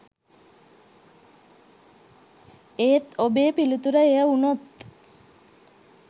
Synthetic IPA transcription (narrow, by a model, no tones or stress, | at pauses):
eːt̪obeːpilut̪uɾəejəunot̪